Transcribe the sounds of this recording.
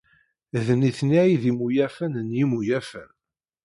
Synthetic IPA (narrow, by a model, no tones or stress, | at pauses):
ðniθniʕiðimujæfænənjimujæfən